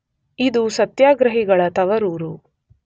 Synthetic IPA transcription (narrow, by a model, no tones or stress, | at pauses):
id̪usɐt̪jaːɡɾɐɦiɡɐɭɐt̪ɐʋɐɾuːɾu